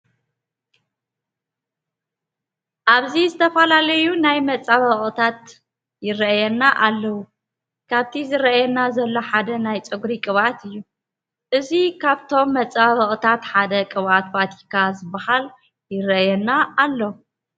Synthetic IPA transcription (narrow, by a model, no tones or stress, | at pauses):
ʔaβzizɨt̪ʰɐfɐlalɐjunajmɐt͡sʼːaβɐχʼɨt̪ʰat̪ | jɪrɐʔjɛnːaʔalːɐwu | kʰaβt̪ʰizɨɾɐʔjɛnazɐlːo̞ħad̪ɐnajt͡sʼɨɡɾikʼɨβat̪ɨjːu | ʔɨzikʰaβt̪ʰo̞mːɐt͡sʼːaβɐχʼɨt̪ʰat̪ħad̪ɐkʼɨβʔat̪bat̪ʰikʰazɨbːahal | jɪɾɐʔjɛnːaːlːo